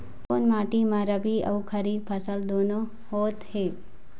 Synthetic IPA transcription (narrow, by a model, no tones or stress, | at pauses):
koːnmaːʈimãɾɐbiɐ̰ukʰɐɾiːbpʰɐsəld̪oːno | hoːt̪heː